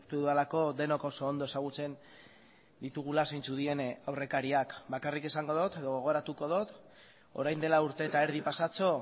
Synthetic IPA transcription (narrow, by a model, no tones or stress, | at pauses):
st̪uðualako̞ðe̞no̞kosoːnd̪o̞e̞saɣ̞ut͡se̞n | d̪it̪uɣ̞ulasejnt͡suðie̞nawre̞kaɾiakbakarike̞saŋɡo̞ðo̞t̪eðoɣo̞ɣ̞o̞ɾat̪uko̞ðo̞t̪ | o̞̰ɾajnd̪e̞lauɾt̪e̞ːt̪aeɾðipasat͡so̞